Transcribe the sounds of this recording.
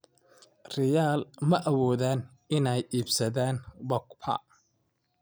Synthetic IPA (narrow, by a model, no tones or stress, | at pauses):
rɪjaːlmɐʔɐwɔːðaːn | ɪnɛjiːbsɐðaːnbɔkpʰɐ̰